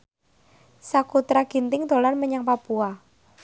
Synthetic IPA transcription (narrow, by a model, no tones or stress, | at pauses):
sakut̪ɾaɡ̥int̪ɪŋt̪o̤lanməɲaŋpapua